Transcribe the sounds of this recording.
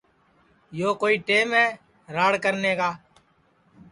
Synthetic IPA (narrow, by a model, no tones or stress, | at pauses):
joːkoːiːʈeːmɦɛː | ɾaːɽkəɾneːkaː